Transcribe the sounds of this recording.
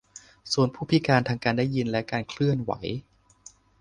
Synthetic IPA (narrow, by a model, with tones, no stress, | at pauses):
suː˨˩˦ənpʰuː˥˩pʰi˦˥kaː˧nt̪ʰaː˧ŋkaː˧ndaː˥˩ji˧nlɛ˦˥kaː˧nkʰlɯ˥˩ənwa̰˩˦j